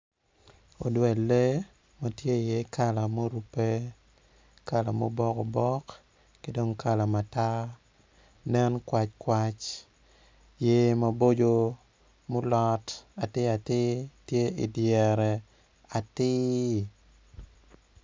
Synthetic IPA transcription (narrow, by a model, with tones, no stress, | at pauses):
o˨dwɛ˨lːe˦ | ma˦tje˦˨je˦kʰa˨la˨mo˦ɾu˨pe˦ | ka˦˨la˨mo˦bɔ˦ko˨bɔ˦k | ki˦do˦ŋka˦la˨ma˨ta˦ | nɛ˦nkwa˦t͡ʃkwa˦t͡ʃ | je˦ma˨bo˦d͡ʒo˦ | mo˦lɔ˦ta˨tɪ˦a˨tɪ˦tje˦ɪ̰˨djɛ˨ɾɛ˨ | a˨tɪ˦